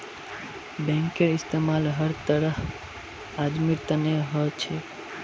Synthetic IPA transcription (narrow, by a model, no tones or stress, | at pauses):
bɛ̃ŋkeɾɪst̪emaːlɦəɾt̪əɾəh | ad̪miɾt̪əneɦɔt͡ʃʰe